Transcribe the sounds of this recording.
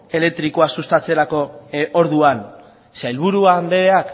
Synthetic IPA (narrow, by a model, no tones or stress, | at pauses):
e̞le̞k̚t̪ɾikoasust̪at͡se̞ɾako̞oɾðuan | sajlβ̞uɾuand̪e̞ɾeak